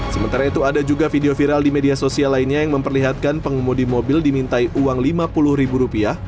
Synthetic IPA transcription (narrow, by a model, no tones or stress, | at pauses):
səmənt̪aɾait̪uadad͡ʒuɡafideofiɾaldimediasosialainɲajaŋməmpərliɦat̪̚kanpəŋumudimobildimint̪aiʔuwaŋlimapulʊhɾibuɾupia